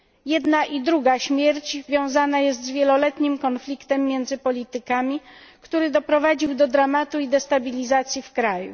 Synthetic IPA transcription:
jɛd̪naʔid̪ɾuɡaɕmʲjɛɾt͡ɕvʲjɔ̃w̃zanajɛs̬t̪zvʲjɛlɔlɛt̪ɲimkɔnflʲikt̪ɛmːjɛnd̪zɘpɔlʲit̪ɘkamʲikt̪uɾɘd̪ɔpɾɔvad͡ʑiwd̪ɔd̪ɾamat̪uid̪ɛst̪abʲilʲizat̪sʲjifkɾajṵ

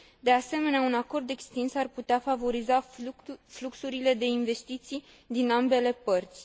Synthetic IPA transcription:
d̪e̞ase̞me̞neaunako̞rd̪e̞kst̪insarput̪eafavo̞ɾiza | fluksuɾile̞d̪e̞inve̞st̪it̪sij | d̪inambe̞le̞pərt̪sʲ

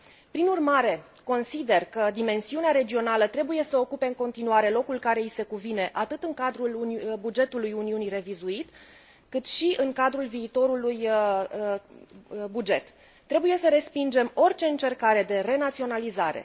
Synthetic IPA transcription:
pɾinurmaɾe̞ | ko̞nsid̪e̞rkəd̪ime̞nsiuneaɾe̞d͡ʒio̞nalət̪ɾe̞buje̞səo̞kupe̞ɨŋko̞nt̪inuaɾe̞lo̞kulkaɾe̞ise̞kuvine̞ʔat̪ɨt̪ɨŋkad̪ɾulbud͡ʒe̞t̪ulujuniunire̞vizuit̪ | kɨt̪ʃiʔɨŋkad̪ɾulviːt̪o̞ɾuluj | bud͡ʒe̞t̪ː | ɾe̞buje̞səɾe̞spind͡ʒe̞mo̞rʲt͡ʃe̞ɨnt͡ʃe̞rkaɾe̞d̪e̞re̞nat̪sio̞nalizaɾe̞̰

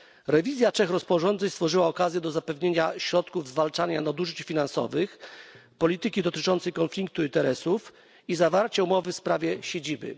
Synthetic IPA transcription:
ɾɛvʲizʲjat͡ʂɛxɾɔspɔʐɔnd̪zɛɲst̪fɔʐɘwaɔkazʲjɛd̪ɔzapɛvɲeɲaɕɾɔt̪kuvzvalt͡ʂaɲanad̪uʐɘt͡ɕfʲinansɔ̰vɘxpɔlʲit̪ɘkʲid̪ɔt̪ɘt͡ʂɔnt̪sɛjkɔnflʲik̚t̪uint̪ɛɾɛsuf | izavaɾt͡ɕɛumɔvɘfspɾavʲjɛɕed͡ʑibɘ̰

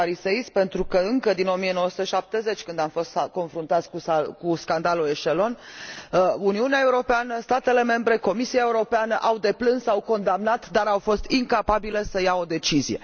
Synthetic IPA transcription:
aɾiseispe̞nt̪ɾukəɨŋkəd̪ino̞mijeno̞wəsut̪eəʃap̚t̪e̞ze̞t͡ʃʲkɨnd̪amfo̞st̪ko̞nfɾunt̪at̪sʲkukuskand̪alue̞ʃe̞lo̞n | uniuneae̞uɾo̞peanəst̪at̪e̞le̞me̞mbɾe̞ko̞misiaeuɾo̞peanəʔawd̪e̞plɨnsawko̞nd̪amnat̪d̪aɾawfo̞st̪iŋkapabile̞səjao̞d̪e̞t͡ʃizije̞̰

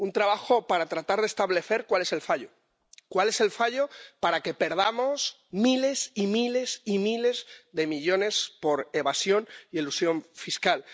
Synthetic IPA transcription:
unt̪ɾaβ̞axo̞paɾat̪ɾat̪aɾð̞e̞st̪aβle̞θe̞ɾkwale̞se̞lfaʎo | kwale̞se̞lfaʎo̞paɾake̞pe̞ɾð̞amo̞s | mile̞simile̞simile̞zðe̞miʎo̞ne̞spo̞ɾe̞βasjo̞nie̞lusjo̞ɱfiskal

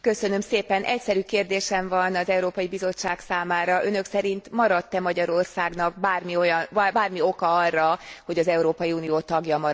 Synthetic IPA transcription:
kø̞sø̞nø̞mseːpɛnʔɛcsɛɾykeːrd̪eːʃɛɱvɒnɒzɛuɾoːpɒjibizo̞t͡ʃːaːksaːmaːɾɒʔø̞nø̞ksɛɾint̪mɒɾɒt̪ːɛmɒɟɒɾo̞rsaːɡnɒk̚baːrmio̞jɒnbaːrmio̞kɒɒrːɒho̞ɟɒzɛuɾoːpɒjiuːnijoːt̪ɒɡjɒmɒɾ

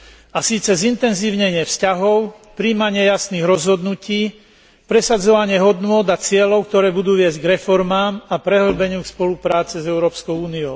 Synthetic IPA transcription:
asiːt͡sɛzint̪ɛnziːʊɲɛɲɪɛfscaɦɔʊ | pɾiːmaɲɪɛjasniːɣɾɔzɦɔd̪nuciː | pɾɛsad͡zɔʋaɲɪɛɦɔd̪nʊɔd̪at͡sɪɛlɔʊk̚t̪ɔɾɛːbud̪uːʋɪɛzɟɡɾɛfɔɾmaːmapɾɛɦl̩bɛɲɪukspɔlupɾaːt͡sɛzɛʊɾɔːpskɔʊuːniɔʊ

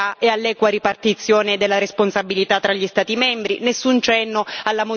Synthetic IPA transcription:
aealːɛːkwaɾipart̪it̪sːjoːned̪elːaɾesponsabːilit̪at̪ːɾaʎːist̪aːt̪imɛmbɾinesːunt͡ʃɛnːoalːamo

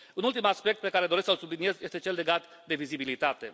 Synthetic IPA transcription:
unult̪imaspe̞k̚t̪̚pe̞kaɾe̞d̪oesksəlsublinie̞zje̞st̪et͡ʃe̞lːe̞ɡat̪ | d̪e̞vizibilit̪at̪e̞̰

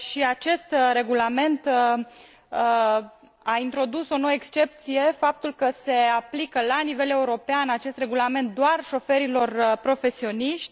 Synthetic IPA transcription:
ʃiat͡ʃe̞st̪ɾe̞ɡulame̞nt̪ | ə | aint̪ɾo̞d̪uso̞nowəekst͡ʃe̞p̚t̪sije̞fap̚t̪ulkəse̞aplikəlanive̞le̞uɾo̞peanat͡ʃe̞st̪re̞ɡulame̞nt̪̚d̪oarʃo̞fe̞ɾilo̞rpɾo̞fe̞sio̞niʃt̪ʲ

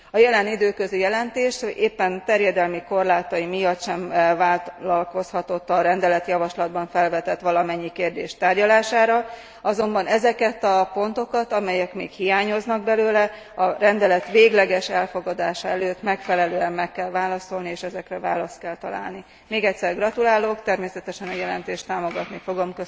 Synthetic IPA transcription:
ɒjɛlɛnid̪øːkøzijɛlɛnt̪eːʃeːpːɛnt̪ɛrjɛd̪ɛlmiko̞rlaːt̪ɒjimijɒt̪ʃɛɱvaːllɒlko̞shɒt̪o̞t̪ːɒɾɛnd̪ɛlɛt̪jɒvɒʃlɒd̪̚bɒɱfɛlvɛt̪ɛt̪ʋɒlɒmɛɲːikeːrd̪ḛːʃt̪aːrɟɒlaːʃaːɾɒ | ɒzo̞mbɒnɛzɛkɛt̪ɒpo̞nt̪o̞kɒt̪ɒmɛjɛkmeːkhijaːɲo̞znɒɡ̚bɛløːlɛ | ɒɾɛnd̪ɛlɛt̪ʋeːɡlɛɡɛʃɛlfo̞ɡɒd̪aːʃɒɛløːt̪mɛkfɛlɛløːɛmːɛkːɛlvaːlɒso̞lnieːʃɛzɛkrɛva̰ːlɒst̪̚kɛlt̪ɒla̰ːlni | meːɡɛcʲsɛrɡrɒt̪ulaːloːkt̪ɛrmeːsɛt̪ɛʃɛnɒjɛlɛ̰nt̪eːʃt̪aːmo̞ɡɒt̪nifo̞ɡo̞mkø

